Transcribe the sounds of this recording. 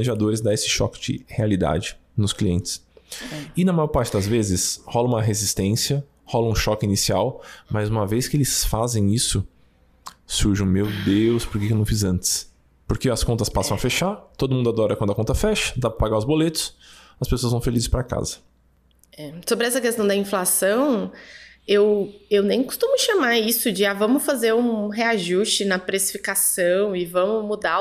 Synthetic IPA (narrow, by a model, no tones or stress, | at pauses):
neʒad̪oɾɪzd̪aesɪ̥ʃɔ̰kɪ̥d͡ʒɪ̰healid̪a̰d͡ʒɪnʊskliẽnt͡ʃɪ̥s | ɪnɐmajɔɾpaɾt͡ʃɪd̪ɐzvezɪshɔlɐũmɐɦezist̪ẽsiɐ | hɔlɐũʃɔkɪinisiawmajzũmɐvejskɪelɪsfazẽj̃isʊ | suɾʒɐ̃mewd̪ewspoɾkekewnɐ̃w̃fizɐ̃nt͡ʃɪ̥s | poɾkeɐskõnt̪ɐspasɐ̃w̃ɐfeʃaɾt̪od̪ʊmũd̪ʊad̪ɔɾɐkwɐ̃d̪ʊɐkõnt̪ɐfɛʃɐ̥d̪apɾɐpaɡaʊzbolet̪ʊ̥sɐspesoɐzvɐ̃w̃felizɪspɾɐka̰zɐ̥ | ɛsobɾɪɛsɐkest̪ɐ̃w̃d̪ɐĩflasɐ̃w̃ | ewewnẽj̃kʊ̥st̪ũmʊʃamaɾisʊd͡ʒɪavɐ̃mʊfazeɾũɦeaʒust͡ʃɪnɐpɾesi̥fikasɐ̃w̃ɪvɐ̃mʊmud̪a